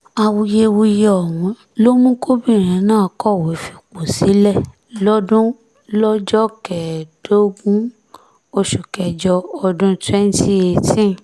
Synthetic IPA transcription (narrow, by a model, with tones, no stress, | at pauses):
a˧wu˧je˧wo˧i˧jɔ˨w̃ũ˨˦ | lo˦mũ˦ko˦bĩ˦˨ɾ̃ĩ˨˦nãː˦˨kɔ˦˨we˨˦fi˧k͡po˨si˨˦lɛ˦˨ | lɔ˦dũ˦ | lɔ˦d͡ʒɔ˦kɛ˨d̥o˦ɡũ˦ | o˧ʃu˨kɛ˧d͡ʒɔ˧ɔ˧dũ˦tɛ˦n̩˦ti˦e˧tĩ˦